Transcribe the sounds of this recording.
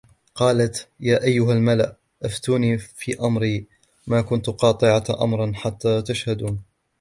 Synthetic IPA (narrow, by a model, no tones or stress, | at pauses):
qɑːlat̪jaːʔajːʊɦalmala̰ʔ | ʔaft̪uːniːfiːʔamɾiː | maːkʊnt̪qɑːt̪ˤɨʕaʔa̰mɾˤnħat̪ːaːt̪aʃhad̪uːn